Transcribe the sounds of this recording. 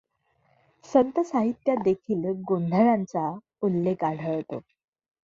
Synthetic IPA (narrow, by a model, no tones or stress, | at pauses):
sənt̪əsaɦit̪ːjad̪ekʰiːlɡond̪ʱəɾant͡sa | ulːekaɽ̤ʱəɭt̪o̰